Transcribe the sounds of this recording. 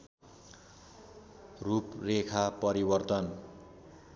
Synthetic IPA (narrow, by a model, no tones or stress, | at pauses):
ruprekʰapʌɾibʌrt̪ʌn